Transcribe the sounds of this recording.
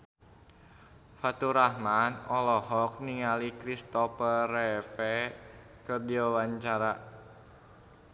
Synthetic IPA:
fat̪uɾahmanɔlɔhɔk̚niŋalikɾist̪ɔfərɛfɛ | kərdiawaɲt͡ʃaɾa

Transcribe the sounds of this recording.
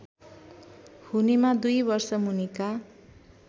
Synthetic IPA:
hunimad̪ujbʌrsʌmunika

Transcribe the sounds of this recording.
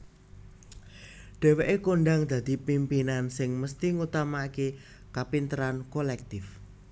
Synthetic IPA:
ɖ̥ɛ̤weʔekoɳɖaŋd̪̥ä̤d̪̥i̤pimpinansɪŋməst̪iŋut̪amaːke | kapint̪əɾankolɛk̚t̪ɪf

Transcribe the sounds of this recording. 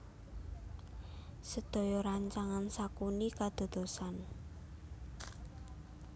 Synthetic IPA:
səd̪̥o̤jɔɾaɲt͡ʃaŋansakunikad̪̥o̤d̪̥o̤san

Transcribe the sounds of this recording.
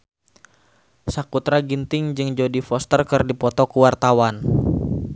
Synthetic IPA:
sakut̪ɾaɡint̪ɪŋd͡ʒɨŋd͡ʒodifɔst̪ərkɨrdipɔt̪ɔkəwart̪awan

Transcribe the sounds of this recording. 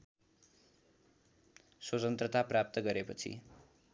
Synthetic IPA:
sot͡sʌnt̪rʌt̪aprap̚t̪ʌɡʌɾepʌt͡sʰḭ

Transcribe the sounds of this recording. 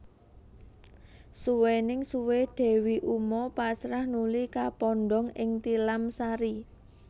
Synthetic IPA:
suwenɪŋsuweɖ̪̥e̤wiʔumɔpasɾahnulikapɔnɖɔŋɪŋt̪ilamsaɾi

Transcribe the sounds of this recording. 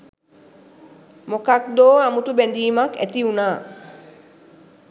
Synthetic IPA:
mokak̚d̪oːamut̪ubend̪iːmakḛt̪iunaː

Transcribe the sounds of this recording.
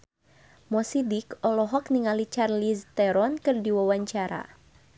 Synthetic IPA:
mɔsidikɔlɔɦɔk̚niŋalit͡ʃarlist̪ɛɾɔnkɨrdiwawaɲt͡ʃaɾa̰

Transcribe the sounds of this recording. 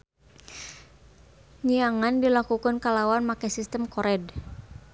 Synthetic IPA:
ɲiaŋandilakukankalawanmakɛsist̪əmkɔɾʔɛd

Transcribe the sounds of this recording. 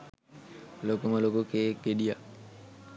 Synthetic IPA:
lokuməlokukeːkɡeɗija

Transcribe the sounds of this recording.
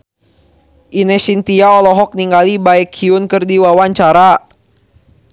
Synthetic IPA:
ʔinɛsint̪iaɔlɔɦɔk̚niŋɡalibaɛkʰhiʊnkɨrdiwawaɲt͡ʃaɾa

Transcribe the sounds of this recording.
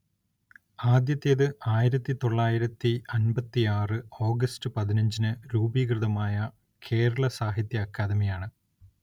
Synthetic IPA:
aːd̪jɐt̪ːijɐðɨʔaːjiɾɐt̪ːit̪o̞ɭːaːjiɾɐt̪ːiɐnbɐt̪ːiaːrɨo̞ːɡɐstɨpɐðinɐɲd͡ʑinɨɾuːbiːkrɨðɐmaːjɐ | kʰe̞ːɾɐɭɐsaːɦit̪jɐːkːaːd̪ɐmijaːɳɨ

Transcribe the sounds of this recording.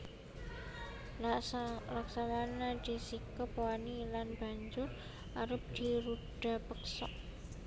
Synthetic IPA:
laksawanad̪̥i̤sikəpoanilanb̥a̤ɲd͡ʒʊr | ʔaɾəp̚d̪̥i̤ɾuɖ̥a̤pəksɔʔ

